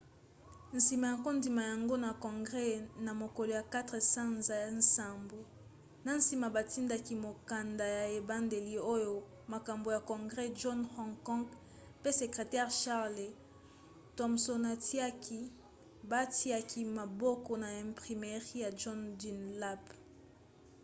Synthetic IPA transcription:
n̩˨si˨ma˨ja˨ko˦ndi˨ma˨ja˨ŋɡo˦na˨kɔ̃˨ŋɡʁɛ˦na˨mo˨ko˨lo˨ja˨ka˦tʁe˨sa˦nza˨n̩˨sa˨mbo˨ | na˨˦n̩˦si˨ma˨ba˨ti˦nda˨ki˨mo˨ka˨nda˨ja˨e˨ba˦nde˨li˨o˦jo˨ | ma˨ka˨mbo˨ja˨kɔ̃˨ŋɡʁɛ˦ʒɔ˦nhɔ̃˦˨ŋkɔ̃˦ŋɡ | pe˦se˨kʁe˨tɛ˦ʁʃa˦ʁle˨ | tɔ˨mso˨na˨ti˦a˦ki˦ | ba˦ti˦a˦ki˦ma˨bɔ˦kɔ˨na˨ɛ̃˨mpʁi˨mɛ˨ʁi˦ja˨ʒɔ˦ndi˨nla˦p

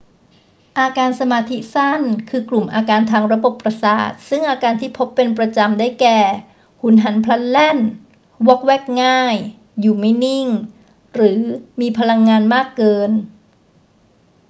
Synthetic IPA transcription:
ʔaː˧kaː˧nsa˧maː˧t̪ʰi˦˥sa˥˩nkʰɯː˧klu˨˩mʔaː˧kaː˧nt̪ʰaː˧ŋɾa˧bo˨˩pːɾa˧sa̰ː˨˩t̪̚sɯ˥˩ŋʔaː˧kaː˧nt̪ʰiː˥˩pʰo˦˥pːe˧npɾa˧t͡ɕa˧mdaː˥˩jkɛː˨˩ | hu˩˦nɦa˩˦npʰla˦˥t̪̚lɛ˥˩n | wɔ˦˥k̚wɛː˦˥˩k̚ŋaː˥˩jː | uː˨˩ma˥˩jni˥˩ŋ | ɾɯː˩˦miː˧pʰa˧la˧ŋːaː˧nmaː˥˩kːɤː˧n

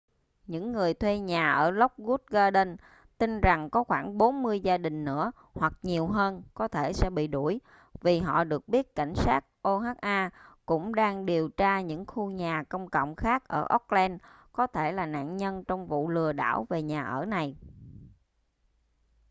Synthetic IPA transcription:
ɲɨ̰˧˥ŋːɨ˨˩əjt̪ʰwe˧ɲaː˨˩ʔəː˧˩lə˦˥wk͡p̚ɣu˦˥t̚ɣaː˧ɗə˧n | t̪i˧nza˨˩ŋkɔ˨˦xwaː˧˩ŋɓo˨˦nmɨ˧əjzaː˧ɗï˨˩ŋ̟nɨ̰˧˥ə | hwa˨˩k̚ɲi˨˩əwɦəː˧nkɔ˨˦t̪ʰe˧˩sɛ̰˧˥ɓḭ˧˨ɗu˧˩əj | vi˨˩ɦɔ̰˧˨ɗɨ˨˩ək̚ɓi˦˥ət̚ka˧˩jŋ̟saː˦˥k̚ʔo˧ɦaː˦˥k̚ʔaː˧kʊ̰˧˥ŋ͡mɗaː˧ŋɗi˨˩əwt͡ɕaː˧ɲɨ̰˧˥ŋxu˧ɲaː˨˩kə˧wŋ͡mkə̰˧˨wŋ͡mxaː˦˥k̚ʔəː˧˩ʔə˦˥k͡p̚lɛ˧n | kɔ˨˦t̪ʰe˧˩laː˨˩na̰ː˧˨nɲə˧nt͡ɕɔ˧wŋ͡mvṵ˧˨lɨ˨˩əɗa̰ː˧˩wve˨˩ɲaː˨˩ʔəː˧˩na˨˩j

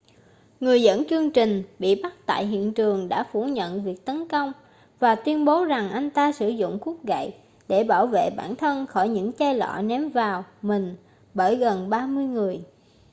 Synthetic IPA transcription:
ŋɨ˨˩əjzə̰˧˥nt͡ɕɨ˧əŋt͡ɕï˨˩ŋ̟ɓḭ˧˨ɓa˦˥t̚t̪a̰ː˧˨jɦḭ˧˨ənt͡ɕɨ˨˩əŋɗa̰ː˧˥fu˧˩ɲə̰˧˨nvi˨˩ək̚t̪ə˨˦nkə˧wŋ͡m | vaː˨˩t̪wi˧ənɓo˨˦za˨˩ŋʔa˧jŋ̟t̪aː˧sɨ˧˩zʊ̰˧˨ŋ͡mku˦˥ək̚ɣa̰˧˨j | ɗe˧˩ɓaː˧˩wvḛ˧˨ɓa̰ː˧˩nt̪ʰə˧nxɔ˧˩jɲɨ̰˧˥ŋt͡ɕaː˧jlɔ̰˧˨nɛ˨˦mvaː˨˩wmï˨˩ŋ̟ | ɓəː˧˩jɣə˨˩nɓaː˧mɨ˧əjŋɨ˨˩əj

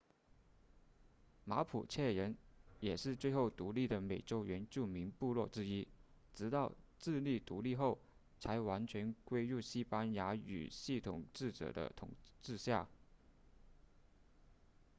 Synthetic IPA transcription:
ma˧˥pʰṵ˨˩t͡ɕʰjɛ˥˩ɻə˧˥njɛ˨˩ʂɻ̩˥˧t͡swe˥˧ɪxo˥˩ʊt̪u˧˥li˥˩d̪ə˩me˨˩ɪʈ͡ʂo˥ʊɥɛ˧˥nt͡ɕju˥˩mi˧˥ŋpu˥˧lwɔ˥˩ʈ͡ʂɻ̩˥i˥ | ʈ͡ʂɻ̩˧˥t̪ɑ˥˧ʊʈ͡ʂɻ̩˥˧li˥˩t̪u˧˥li˥˧xo˥˩ʊ | t͡sʰa˧˥ɪwa˧˥nt͡ɕʰɥɛ˧˥nkwe˥ɪɻu˥˩ɕi˥pa˥nja˧˥y̰˨˩ɕi˥˩t̪ʰʊ˨˩ŋʈ͡ʂɻ̩˥˩ʈ͡ʂɤ̰˨˩d̪ə̰˦t̪ʰʊ̰˨˩ŋʈ͡ʂɻ̩˥˧ɕja̰˥˩

